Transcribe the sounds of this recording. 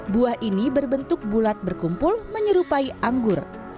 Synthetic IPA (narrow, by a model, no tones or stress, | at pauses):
buahʔinibərbənt̪ʊk̚bulat̪̚bərkumpʊlməɲəɾupaiʔaŋɡʊr